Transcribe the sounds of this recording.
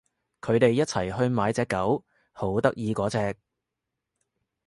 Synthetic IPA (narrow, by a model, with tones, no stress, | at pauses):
kʰɵ˨˧ɥt̪e˨jːɐ˥t̚t͡sʰɐ˨˩jɦɵ˧ɥmaː˨˧˥jt͡sɛː˨˧kːɐ˨˥w | ho˨˥wt̪ɐ˥k̚jiː˨˧kɔː˨˥t͡sɛː˧k̚